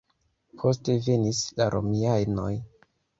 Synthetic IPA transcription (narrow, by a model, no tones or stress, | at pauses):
pʰo̞ste̞ve̞nislaɾʔo̞̰miajno̞j